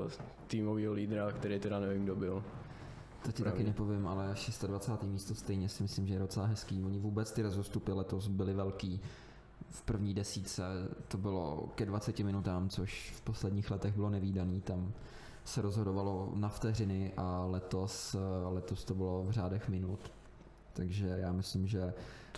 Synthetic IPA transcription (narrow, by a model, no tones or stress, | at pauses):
t̪iːmoviːɦoliːd̪ɾakt̪ɛɾit̪ɛdanɛvimɡdobɪl | t̪ɛcɪɾt̪akɪnɛpo̞vɪmʔalɛʃɛst̪advat͡saːt̪iːmiːst̪o̞st̪ɛjɲɛsɪmɪslɪmʒɛjɛdo̞t͡sɛlaɦɛskiːoɲɪvuːbɛt͡st̪ɪɾozost̪upɪlɛt̪osbɪlɪvɛlkiː | fpr̩vɲiːdɛsiːt͡sɛt̪obɪlo̰kɛdvat͡sɛcɪmɪnut̪aːmt͡soʃfpo̞slɛdɲiːxlɛt̪ɛɣbɪlonɛviːdaniːt̪am | sɛɾozɦodovalo̞naft̪ɛrɪnɪʔalɛt̪o̞slɛt̪o̞st̪obɪlovr̝aːdɛxmɪnut̪ː | aɡʒɛjaːmɪslɪmʒɛ